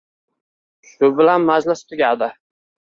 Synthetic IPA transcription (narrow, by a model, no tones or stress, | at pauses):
ʃʊbɪlanmazlast̪ʰʊɡʲad̪ɪ